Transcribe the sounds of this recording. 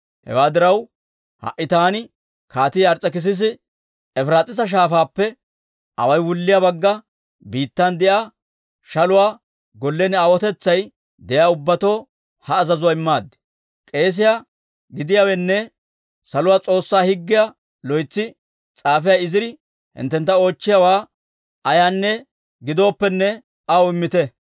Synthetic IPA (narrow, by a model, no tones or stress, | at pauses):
hɛ̰waːd̪ɪɾɐw | hɐ̰ʔːɪt̪aːnɪ | kaːt̪iɐɾt͡sʼːɐkɪs̬ɪs̬ɪ | ɛfɾaːt͡sʼɪs̬ɐʃ̬aːfaːpːɛ | ʔɐ̰wɐjwʊlːɪjɐbɐɡːɐ | biːt̪ːɐnd̪ɛjaː | ʃɐlʊwaː | ɡɔlːɛnaːwɔt̪ɛt͡sːɐj | d̪ɛjaːʊbːɐt̪o̞ː | hɐːzɐzʊwaːɪmːaːd̪ːɛ̥ | kʼe̞ːs̬ɪja | ɡɪd̪ɪjaːwɛnːɛ | sɐlʊwaːt͡sʼo̞ːsːaːhɪɡːɪja | lɔjt͡sːɪ | t͡sʼaːfɛjaːɪzɪɾɪ | hɪ̰nt̪ːɛnt̪ːɐo̞ːt͡ʃːɪjawaː | ʔɐjaːnːɛ | ɡɪd̪o̞ːpːɛnːɛ | ʔɐwʊɪmːɪt̪ɛ